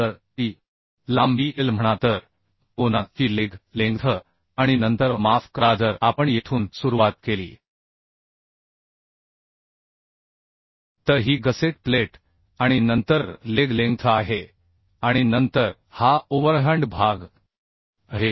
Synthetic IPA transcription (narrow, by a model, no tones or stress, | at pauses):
əɾt̪iː | lambiːelm̤əɽ̃at̪əɾ | onatiːleɡlẽŋɡt̪ʰə | aɽ̃inənt̪əɾmafkɾad͡zəɾapəɳjet̪ʰuːnsuɾuʋat̪̚kelḭː | t̪əɾɦiːɡəseʈ̚pleʈ | aɽ̃inənt̪əɾleɡlẽŋɡt̪ʰəaɦe | aɽ̃inənt̪əɾ | haoʋəɾɦə̃ɳɖbʱaɡ | ɦe